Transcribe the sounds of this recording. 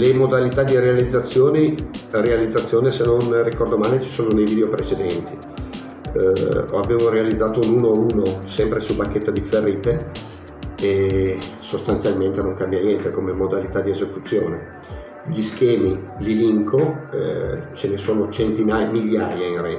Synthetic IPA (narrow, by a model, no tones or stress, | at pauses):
lemod̪alit̪ad̪iɾealid̪zːat̪sːjoːnirealid̪zːat̪sːjoːnesenonrikɔrd̪omaːlet͡ʃi̥soːnonejvid̪eopɾet͡ʃed̪ɛnt̪i | a̰beːvoɾealid̪zːaːt̪ounuːnouːnosɛmpɾesubakːet̪ːad̪iferːiːt̪e | e | sost̪ant̪sjalment̪enoŋkambjanjɛnt̪ekomemod̪alit̪ad̪iezekut̪sːjoːne | ʎiskɛːmililiŋko | t͡ʃenesoːnot͡ʃent̪inajmiʎːaːjainrɛ